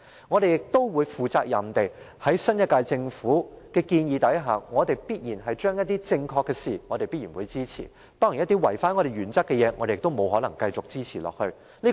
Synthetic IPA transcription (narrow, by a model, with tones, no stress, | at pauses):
ŋɔ˨˧ɾe˨jɪ˨k̚t̪o˥wwuː˨˧jfuː˨˩t͡saː˧k̚jɐ̰˨˩mt̪e˨˩j | hɐ˨˥jsɐ˥njɐ˥t̚kaː˧jt͡sɪ˧ŋfuː˨˥kɛː˧kiː˧njiː˨˧t̪ɐ˨˥jɦaː˨˩ŋɔː˨˧t̪e˨jpiː˥t̚jiː˨˩nɦɐ˨jt͡ʃœː˥ŋjɐ˥t̚t̪iː˥t͡sɪ˧ŋkʰɔː˧kːɛː˧siː˨ŋɔ˨˧ɾe˨jpiː˥t̚iː˨˩nwu˨˧jt͡siː˥t͡sʰḭː˨˩ | t̪ɔː˥ŋjnjɐ˥t̪i˥wɐ˨˩jfaː˥nŋɔ˨˧ɾe˨jɥyː˨˩nt͡sɐ˥kːɛ˧jɛː˨˧ŋɔ̰ː˨˧ɾe˨ɪ˨k̚t̪o˥wmo˨˧wɦɔː˨˥lɐ˨˩ŋkɐ˧jt͡sʊ˨k̚t͡siː˥t͡sʰiː˨˩lɔ̰ː˨k̚hɵ˧ɥ | liː˥